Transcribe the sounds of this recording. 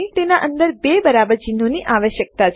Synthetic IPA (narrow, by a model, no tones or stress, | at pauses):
it̪enaʔənd̪əɾbebəɾabəɾd͡ʒinoniʔʔaʋəʃjək̚t̪at͡ʃʰ